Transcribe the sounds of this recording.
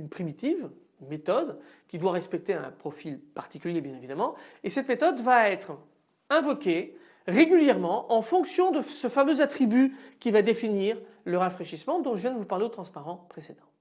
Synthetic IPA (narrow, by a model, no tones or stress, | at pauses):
ynpχimit̪iv | met̪ɔd̪kʲid̪waʁɛspɛk̚t̪eɛ̰̃pχɔfilpaʁt̪i̥kʲyljebjɛ̃nevid̪amɑ̃esɛt̪met̪ɔd̪vaɛt̪χ | ɛ̃vɔkʲe | ʁeɡʲyljɛʁmɑ̃ʔɑ̃fɔ̃ksjɔ̃d̪əsəfamøzat̪χibykʲivad̪efiniʁ | ləʁafχeʃismɑ̃d̪ɔ̃ʒəvjɛ̃d̪əvupaʁleot̪χɑ̃spaʁɑ̃pχesed̪ɑ̃